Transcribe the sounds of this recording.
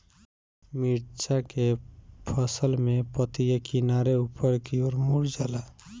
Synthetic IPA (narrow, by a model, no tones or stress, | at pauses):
miɾt͡ʃakepʰəsəlmẽpət̪ijakinaɾeupəɾkioɾmuɾd͡ʒala